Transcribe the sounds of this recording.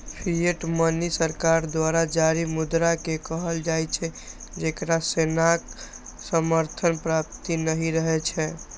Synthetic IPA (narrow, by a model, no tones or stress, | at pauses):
pʰieʈmənisəɾkaɾd̪waɾad͡ʒaɾimud̪ɾakekəɦəld͡ʒajt͡ʃʰɛ | d͡ʒekɾasenak | səməɾt̪ʰənpɾap̚t̪inəɦiɾəɦɛt͡ʃʰɛ